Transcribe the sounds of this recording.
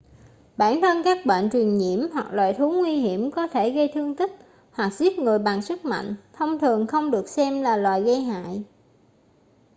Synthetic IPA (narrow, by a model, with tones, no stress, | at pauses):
ɓaː˧˩nt̪ʰə˧nkaː˦˥k̚ɓə̰ː˧˨nt͡ɕwi˨˩ənɲḭ˧˩əmɦwa˨˩k̚lwa̰ː˧˨jt̪ʰu˨˦ŋwi˧ɦi˧˩əmkɔ˨˦t̪ʰe˧˩ɣə˧jt̪ʰɨ˧əŋt̪i˦˥k̚ | hwa˨˩k̚zi˦˥t̚ŋɨ˨˩əjɓa˨˩ŋsɨ˦˥k̚ma̰˧˨jŋ̟t̪ʰə˧wŋ͡mt̪ʰɨ˨˩əŋxə˧wŋ͡mɗɨ˨˩ək̚sɛ˧mlaː˨˩lwaː˨˩jɣə˧jɦa̰ː˧˨j